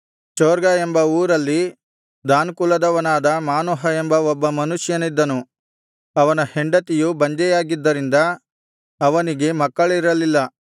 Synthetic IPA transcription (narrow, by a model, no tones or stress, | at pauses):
t͡ʃoːɾɡɐembɐuːɾɐlːi | d̪aːnkulɐd̪ɐʋɐnaːd̪ɐmaːnɔɦɐe̞mbɐɔbːɐmɐnuʂjɐnid̪ːɐnu | ɐʋɐnɐheɳɖɐt̪ijubɐɲd͡ʒɛjaːɡid̪ːɐɾind̪ɐ | ɐʋɐniɡe̞mɐkːɐɭiɾɐlilːɐ